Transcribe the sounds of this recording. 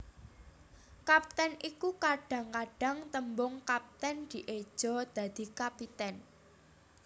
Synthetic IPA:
kap̚t̪ɛnikukaɖ̥ä̤ŋkaɖ̥ä̤ŋt̪əmbʊŋkap̚t̪ɛnd̪̥i̤ʔed̥ʒ̥ɔ̤d̪̥ä̤d̪̥i̤kapit̪ɛn

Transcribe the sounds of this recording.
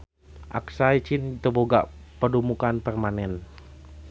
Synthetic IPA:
ʔa̰ksait͡ʃint̪əboɡa̰ʔpədumukanpərmanɛn

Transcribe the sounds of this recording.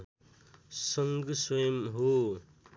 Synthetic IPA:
sʌŋɡswʌjʌmɦo

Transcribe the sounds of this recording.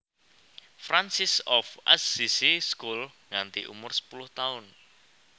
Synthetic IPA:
fɾansɪsɔfʔa̰sːisiskulŋant̪iʔṵmʊrsə̥pulʊht̪aʊn

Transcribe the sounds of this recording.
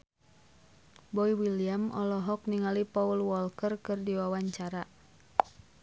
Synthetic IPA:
bɔiwiliamʔɔ̰lɔɦɔk̚niŋalipaulwɔlkərkɨrdiwawaɲt͡ʃaɾa

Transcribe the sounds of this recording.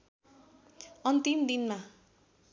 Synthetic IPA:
ʌnt̪imd̪inma

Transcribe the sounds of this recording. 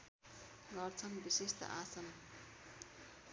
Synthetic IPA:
ɡʌrt͡sʰʌnbisest̪ʌ̰ʔasʌn

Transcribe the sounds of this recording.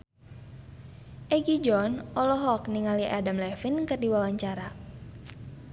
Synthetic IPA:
ʔɛɡid͡ʒɔnʔɔlɔɦɔkniŋaliʔadamlɛfinkɨrdiwawaɲt͡ʃaɾa

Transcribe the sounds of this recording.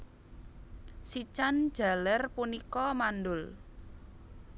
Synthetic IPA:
sit͡ʃand̥ʒ̥a̤lərpunikɔmanɖʊl

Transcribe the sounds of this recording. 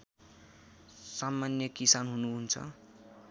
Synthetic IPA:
samːanjʌkisanɦunuɦunt͡sʰʌ̰

